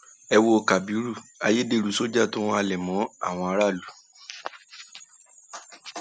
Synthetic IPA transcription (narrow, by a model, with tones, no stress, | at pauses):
ɛ˧wo˧ka˨bi˨˦ɾu˦˨a˧je˦de˦˧˨ɾu˨˦so˦d͡ʒa˦˨tõ˦a˧lɛ˨mɔ̃˨˦a̰˦˨w̃ɔ̃˧a˧˦ɾa˦˨lu˨